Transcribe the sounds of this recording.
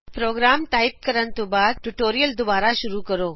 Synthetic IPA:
pɾoːɡɾaːmʈaːɪp̚kəɾənt̪ubaːd̪̚ʈuʈoːɾijəld̪ʊbaːɾaʃʊɾukəɾoː

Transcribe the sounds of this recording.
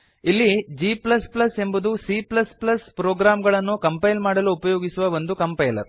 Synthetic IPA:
ilːid͡ʒiːplɐsplɐse̞mbud̪usiːplɐsplɐspɾoːɡɾaːmɡɐɭɐnːukɐmpɐjlmaːɽɐluːpɐjoːɡisuʋɐʋond̪ukɐmpɐjlɐ̰ɾ

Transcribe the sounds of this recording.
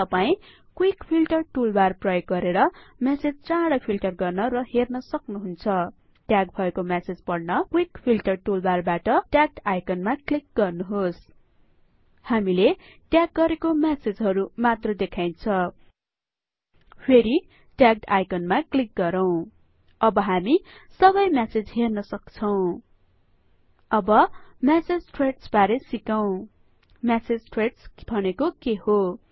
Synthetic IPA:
t̪ʌpaĩ | kwikpʰilʈʌrʈulbarprʌjoɡ̚ɡʌɾeɾʌmased͡zt͡saɽʌpʰilʈʌrɡʌrnʌɾʌhernʌsʌknuɦunt͡sʰʌ | ʈjaɡ̚bʱʌekomased͡zpʌɽnʌkwikpʰilʈʌrʈulbarbaʈʌʈjak̚ʈajkʌnmaklik̚ɡʌrnuɦos | hamile | ʈjaɡ̚ɡʌɾekomased͡zɦʌɾumat̪rʌd̪ekʰajnt͡sʰʌ | pʰeɾi | ʈjak̚ʈajkʌnmaklik̚ɡʌɾʌw̃ | ʌbʌɦamisʌβʌjmased͡zɦernʌsʌkt͡sʰʌw̃ | ʌbʌmased͡zʈreʈsbaɾesikaw̃ | mased͡zʈreʈsbʱʌnekokeho

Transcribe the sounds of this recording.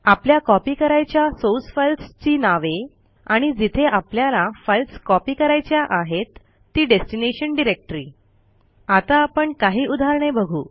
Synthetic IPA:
apljakɔpiːkəɾajt͡ɕjasosfəlst͡ɕiːnaʋe | aɽ̃id͡zit̪ʰeʔapljalafəlskɔpiːkəɾajt͡ɕjaʔaɦet̪ː | iːɖesʈineɕənɖiɾek̚ʈɾiː | at̪aːpəɳkaɦiːʔud̪ʱaɾɳebəɡʱṵː

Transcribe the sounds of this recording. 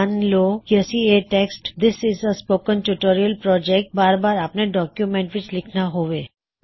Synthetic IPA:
nloːjɛsieʈɛksʈd̪ɪsɪzəspoːkə̃nʈuʈoːɾiəlpɾɔːd͡ʒɛk̚ʈ̚baːɾbaːɾɐpneɖɔːkjumɛ̃ɳʈʋɪt͡ʃlɪkʰnaɦoːʋeː

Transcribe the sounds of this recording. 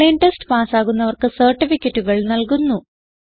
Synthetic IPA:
enʈesʈɨpaːsaːɣunːɐʋɐrkɨsɐrʈːifikʲːetːuɣɐɭnɐlkunːu

